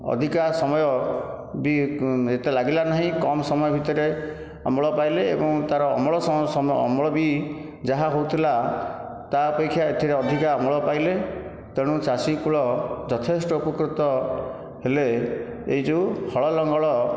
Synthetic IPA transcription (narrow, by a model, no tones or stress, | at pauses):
ɔ̰d̪ʱikasɔmɔjɔ | biet̪elaɡilanaɦĩkɔmɔsɔmɔjɔbʱit̪ɔɾe | ɔ̰mɔɭɔpajleḛbɔŋt̪aɾɔ̰ːmɔɭɔsɔsɔmɔ̰mɔɭɔbi | d͡ʒaɦaɦowt̪ʰila | t̪aɔpekʰːjaet̪ʰiɾeɔd̪ʱikaɔmɔɭɔpajle | t̪eɽ̃ũt͡ʃasikuɭɔd͡ʒɔt̪ʰesʈɔupɔkɾut̪ɔ | hele | eid͡ʒuhɔɭɔlɔŋɡɔɭɔ